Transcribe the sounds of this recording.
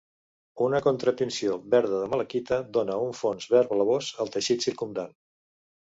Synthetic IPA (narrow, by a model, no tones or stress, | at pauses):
unəkunt̪ɾət̪ənsioβɛɾð̞əðəmələkit̪əd̪onəuɱfonzβɛɾβələβozəlˠt̪əʃit̪siɾkumd̪an